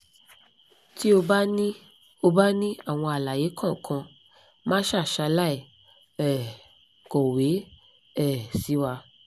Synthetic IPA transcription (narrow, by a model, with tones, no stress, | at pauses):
ti˦o˧ba˦nĩ˦ | o˧ba˦nĩ˦a˦˨w̃ɔ̃˧a˨la˨je˨˦kʰã˦˨kʰã˧ | mã˦ʃa˦˨ʃa˧la˦i˦˨ | ɛ˨ | kɔ˨we˨˦ | ɛ˦˨si˨˦wa˧